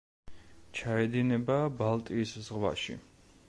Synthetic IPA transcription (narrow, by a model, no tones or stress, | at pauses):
t͡ʃʰaɛd̪inɛbabalˠt̪ʼiːszʁwa̰ʃḭ